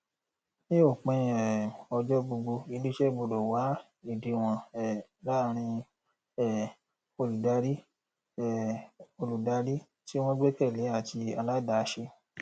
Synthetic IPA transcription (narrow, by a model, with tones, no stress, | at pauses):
nĩ˦o˦˨k͡pɛ̃˧ɛ˨ɔ˧d͡ʒɔ˦bo˧ɡ͡bo˧i˧ni˦ʃe˦bo˧do˨wa˨˦ | i˨di˨˧w̃ɔ̃˧ɛ˦˨la˦ɾ̃ĩ˧ | ɛ˨ | o˧lu˨da˧ɾi˦˨ | o˧lu˨da˧ɾi˦ | ti˦w̃ɔ̃˦ɡ͡be˦kɛ˦˨le˨˦a˦˨ti˧a˧la˦da˨˧ʃe˧